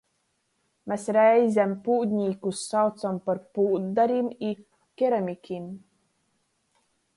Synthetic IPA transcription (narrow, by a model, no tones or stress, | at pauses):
mesɾɛjzʲæmpuːd̪ʲɲiːkusːawt̪sampaɾpuːd̪ːaɾimi | kʲeɾamʲikʲʰim